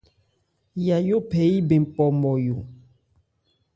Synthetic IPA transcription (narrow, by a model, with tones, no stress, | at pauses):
ja˨jo˦pʰɛ˨˦i˦be˨m˨pɔ˨mɔ˨jo˨